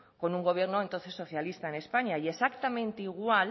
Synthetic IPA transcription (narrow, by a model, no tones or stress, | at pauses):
ko̞nuŋɡo̞β̞je̞ɾnoent̪o̞nθe̞sːo̞θjalist̪aene̞spaɲaiesakt̪amẽnt̪eiɣ̞wal